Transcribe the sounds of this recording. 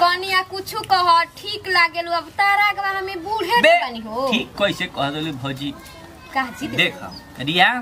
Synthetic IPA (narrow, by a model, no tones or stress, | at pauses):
kɔnijakut͡ʃʰukɔɦɔʈʰiklaɡeluəbt̪aɾaɡbaɦəmebuɽ̤ʱebpaniɦoʈʰikːəisekɔɦd̪elibʱɔd͡ʒi | kaɦd͡ʒid̪ekʰɔ̰ | ɾija